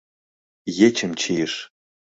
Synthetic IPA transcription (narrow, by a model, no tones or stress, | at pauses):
jet͡ʃʰɨmt͡ʃʰejʂ